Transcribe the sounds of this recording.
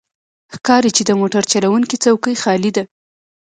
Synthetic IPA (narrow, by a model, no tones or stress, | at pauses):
xkɑɾit͡ʃed̪əmoʈaɾt͡ʃaɾawuŋkit͡sawkəjxɑlid̪a